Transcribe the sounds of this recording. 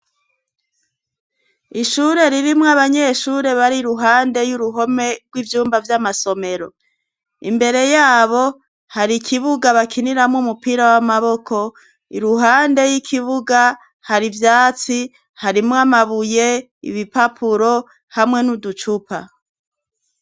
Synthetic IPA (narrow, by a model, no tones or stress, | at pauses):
iʃuɾe̞ɾiɾimŋaβaɲe̞ʃuːɾe̞βaɾiɾuɦaːnde̞juɾuɦo̞me̞ɾɡwivjuːmbavjamaso̞me̞ɾo̞̰ | ḭmbe̞ɾe̞jaːβo̞ | haɾikʰiβuɡaβakʰiniɾamŋumupiɾawamaβo̞kʰo̞ | iɾuɦaːnde̞jikʰiβuɡa | haɾivjaːt͡si | haɾimŋamaβuje̞ | ḭβipapʰuɾo̞ | hamŋe̞nudut͡ʃupʰa